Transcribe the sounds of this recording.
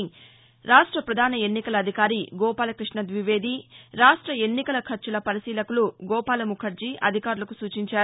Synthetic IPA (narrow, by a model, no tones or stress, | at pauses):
ɾaːʂʈɾɐpɾɐd̪ʱaːnɐe̞nːikɐlɐɐd̪ʱikaːɾiɡɔːpaːlɐkɾiʂɳɐd̪ʋiʋe̞ːd̪ʱiɾaːʂʈɾɐe̞nːikɐlɐkʰɐt͡ʃːulɐpɐɾisiːlɐkuluɡɔːpaːlɐmukʰɐɾd͡ʒiʔɐ̰d̪ʱikaːɾulɐkusuːt͡ʃiɲt͡ʃaː